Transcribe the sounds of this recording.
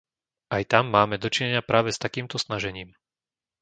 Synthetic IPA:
ajt̪amːaːmɛd̪ɔt͡ʃiɲɛɲɪapɾaːʋɛst̪akiːmt̪ɔsnaʒɛɲiːm

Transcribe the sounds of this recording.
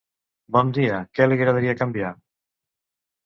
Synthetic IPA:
bɔnd̪iakɛaliɾaðaɾiakambja

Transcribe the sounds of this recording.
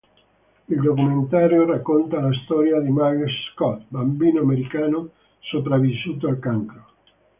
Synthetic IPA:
ild̪okument̪aːɾjorakːont̪alast̪ɔːɾjad̪imaɡsskɔt̪bambiːnoameɾikaːno | sopɾavːisːuːt̪oalkaŋkɾo

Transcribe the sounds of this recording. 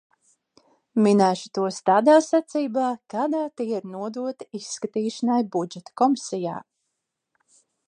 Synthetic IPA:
minæːʃu̥t̪uɔst̪aːd̪aːsat̪siːbaːkaːd̪aːt̪iːiɾnuɔd̪uɔt̪i̥isːkat̪iːʃanajbud͡ʒɛt̪ḁkɔmisɛja̰ː

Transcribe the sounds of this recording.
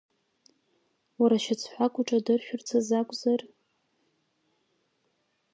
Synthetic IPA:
waɾaʃat͡sʰħʷakʷʼʊʈ͡ʂʼadɨrʃᶣʊrt͡sʰazakʷʼzar

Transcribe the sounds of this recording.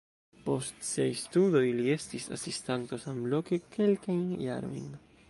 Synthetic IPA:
post̪sejst̪uðojliest̪isa̰sist̪ant̪osamblokekʰelkajnja̰ɾḭŋ

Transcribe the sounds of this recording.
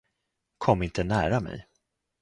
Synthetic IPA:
kʰɔmːɪnt̪ənæːɾamɛ̰j

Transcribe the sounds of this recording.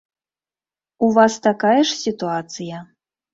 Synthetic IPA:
uvast̪akajɛʂsʲit̪uat̪sɨjɐ

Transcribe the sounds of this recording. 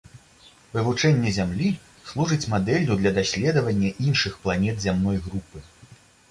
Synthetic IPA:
vɨvut͡ʂɛnʲːɛzʲamlʲi | slˠuʐɨt͡sʲmad̪ɛlʲud̪lʲɐd̪asʲlʲɛd̪ɐvɐnʲːɐʔinʂɨxplˠanʲɛd̪zʲamnɔjɣɾupɨ

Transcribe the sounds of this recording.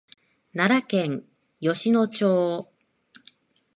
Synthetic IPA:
naɾakẽ̞ŋ | jo̞ɕino̞t͡ɕoː

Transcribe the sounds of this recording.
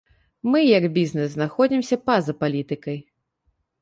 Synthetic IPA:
mɨjɐɡbʲiznɛsznaxɔd͡zʲimsʲɐpazɐpalʲit̪ɨkɐj

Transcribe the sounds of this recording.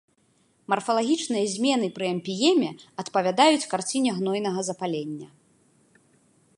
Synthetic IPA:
mɐrfɐlˠaɣʲit͡ʂnɨjɐzʲmʲɛnɨpɾɨɐmʲpʲijɛmʲɛɐt̪pɐvʲad̪ajut͡sʲkart͡sʲinʲɛɣnɔjnɐɣɐzɐpalʲenʲːɐ̰

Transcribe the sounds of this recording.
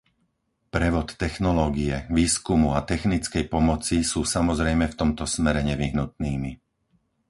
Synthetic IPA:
pɾɛʋɔt̪ːɛxnɔlɔːɡiɛʋiːskumuat̪ɛxnit͡skɛjpɔmɔt͡sisuːsamɔzɾɛjmɛft̪ɔmt̪ɔsmɛɾɛɲɛʋiɦnut̪̚niːmi

